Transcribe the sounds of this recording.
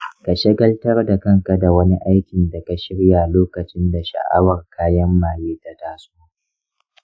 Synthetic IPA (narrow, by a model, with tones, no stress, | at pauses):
ka˨ʃɪ˦ɡɐ˦ltɐ˦rda˨kɐ˦ŋka˨da˨wɐ˦ni˦ʔa˦jkʲɪ˨nda˨ka˨ʃɪ˦ɽja˨loː˦kɐ˨t͡ʃɪ˦nda˨ʃa̰˨ʔa̰˦wɐ˨rkʰaː˦jɐ˦mːaː˨jeː˦ta˨taː˦soː˦